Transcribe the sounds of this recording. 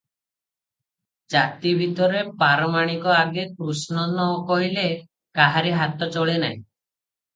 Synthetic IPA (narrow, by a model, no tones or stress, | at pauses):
d͡ʒat̪ibʱit̪ɔɾepaɾɔmaɽ̃ikɔaɡekɾusnɔnɔɔkɔɦile | kaɦaɾiɦat̪ɔt͡ʃɔɭenaɦĩ